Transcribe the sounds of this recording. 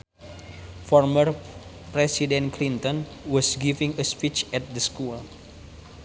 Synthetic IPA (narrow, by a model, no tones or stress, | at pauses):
fɔrmər | pɾɛsidɛ̃nklint̪ɔ̃nwɔsɡivĩŋəspit͡ʃɛt̪̚dəskul